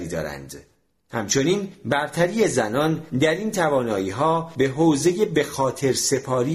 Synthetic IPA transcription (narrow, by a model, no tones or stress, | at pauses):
iːd̪ɒ̰ːɾæ̰nd̪̥ | hæmt͡ʃʰo̞niːnbæɾt̪ʰæɾiːe̞zænɒːnd̪æɾiːnt̪ʰævɒːnɒːiːɦɒːbe̞ɦoːze̞je̞be̞xɒːt̪ʰe̞ɾse̞pʰɒːɾiː